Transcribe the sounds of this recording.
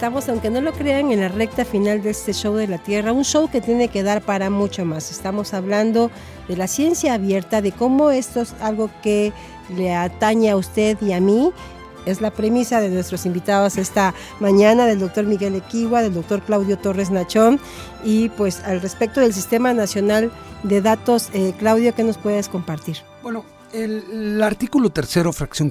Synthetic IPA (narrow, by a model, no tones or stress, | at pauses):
est̪amo̞sawŋke̞no̞lo̞kɾe̞aŋe̞nlare̞k̚t̪afinald̪eest̪e̞ʃo̞wðe̞lat̪je̞raunʃo̞wke̞t̪jene̞ke̞ðaɾpaɾamut͡ʃomase̞st̪amo̞saβland̪o̞ | ðe̞lasje̞nsjaːβje̞ɾt̪aðe̞ko̞mo̞e̞st̪osalɣo̞ke | leat̪aɲaaust̪e̞ðiami | e̞zlapɾe̞misaðe̞nwest̪ɾosimbit̪aðosest̪a | mãɲanaðe̞ld̪o̞k̚t̪o̞ɾmiɣe̞lekiɣwaðe̞ld̪ok̚t̪o̞ɾklawðjot̪o̞re̞znat͡ʃo̞n | ipwe̞salre̞spek̚t̪o̞ðe̞ls̬ist̪e̞manasjo̞nald̪e̞ðat̪o̞seklawðjoke̞no̞spwe̞ðesko̞mpaɾt̪iɾ | bweno | elaɾt̪ikulot̪eɾseɾofɾaksjoŋ